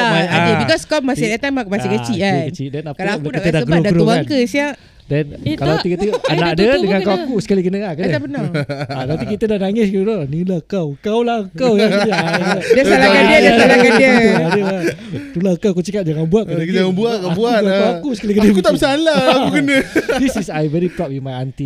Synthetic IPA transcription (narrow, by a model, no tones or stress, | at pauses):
aaadəbikɔskɔp̚masidat̪amakumaikət͡ʃiʔkanət͡ʃidɛnapkalaaludkikt̪ədaɡɾudaɾubakəsiaʔ | dɛnkalawt̪ikəəanakdədəŋãkawakusə̥kalikənəakəapənaat̪apikit̪ədanaŋɪs̬kədonilakawkawlaəkawja | dsalaadiəddalakadiəəadəa | t̪ulakawakut͡ʃəkat̚d͡ʒaŋanbuaʔ̚kədəd͡ʒaŋanbuakbuaaawakusəkalikənəkut̪abisalaaukənədisisajvɛɾipɾɔp̚wimajant̪i